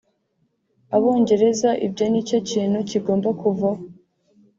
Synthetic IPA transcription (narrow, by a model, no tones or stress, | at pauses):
aβo̞ːɲɟe̞ɾe̞zaʔḭbɟo̞niːco̞ciːnhuciɡo̞ːmbakuva